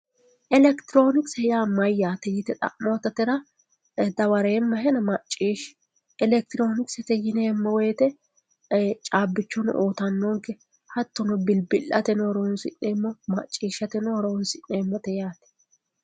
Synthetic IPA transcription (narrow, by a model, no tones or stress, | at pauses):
ʔɛlɛkt̪ɪɾo̞ːnɪksɛjamɐjːaːt̪ɛjɪt̪ɛt̪ʼɐ̰ʔmot̪ɐt̪ɛɾɐ | d̪ɐwɐɾeːmːɐɦɛnɐmɐt͡ʃʼːiːʃ | ʔɛlɛk̚t̪ɪɾo̞ːnɪksɛt̪ɛjɪneːmːɔwɛːt̪ɛ | t͡ʃʼaːbːɪt͡ʃːɔnɔ̰ʔoːt̪ɐnːɔŋkɛ | hɐt̪ːɔnɔbɪlbɪlʔɐ̰t̪ɛnɔɾownsɪ̰nːeːmːɔmɐt͡ʃʼːiːʃɐt̪ɛnɔɾownsɪnːeːmːɔt̪ɛjaːt̪ɛ̥